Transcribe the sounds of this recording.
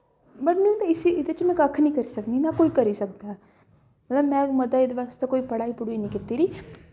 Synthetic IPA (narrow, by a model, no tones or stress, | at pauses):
bɐʈnuimɛ̃ɪsiɪd̪et͡ʃmɛ̃kakʰːnĩkɐɾisɐkninakoːikɐɾisɐk̚d̪a | mɐt̪ləbmɛ̃mɐd̪aid̪eʋaːst̪ekoːipɐɽaːipʊɽinĩkɪt̪iɾiː